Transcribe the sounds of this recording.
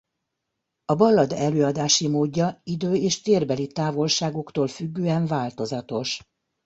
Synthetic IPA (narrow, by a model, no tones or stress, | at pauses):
ɒbɒlːɒd̪ɛløːɒd̪aːʃimoːɟːɒid̪øːeːʃt̪eːrbɛlit̪aːvo̞lʃaːɡokt̪oːlfyɡːøːɛɱvaːlt̪o̞zɒt̪o̞ʃ